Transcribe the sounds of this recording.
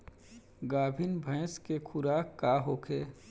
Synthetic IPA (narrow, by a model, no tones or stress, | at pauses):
ɡaːbʱɪnbʱə̃ɪskekʰʊɾaːkkːaɦoːkʰeː